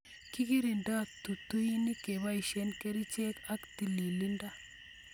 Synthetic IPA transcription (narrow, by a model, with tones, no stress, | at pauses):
ki˦ki˦ɾi˨nda˦t̪u˨t̪u˦ji˦ni˦ke˨βa˦i˨ʃe˦nke˦ɾi˦t͡ʃe˦ka˦kt̪i˨li˨li˦nda˦